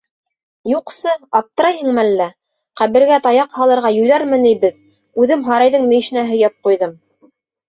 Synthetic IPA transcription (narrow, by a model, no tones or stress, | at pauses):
juqsɤɑp̚t̪ɤ̆ɾɑjhɤ̆ɴŋmælːæ | qæβɘ̆ɾɡæt̪ɑjɑqhɑlˠɤ̆ɾʁɑjɵ̆jlæɾmɘ̆nijbɘð | ʉðɘmɦɑɾɑjðɤŋmɘ̆j̆ʃɘ̆næɦɵ̆jæp̚qujðɤm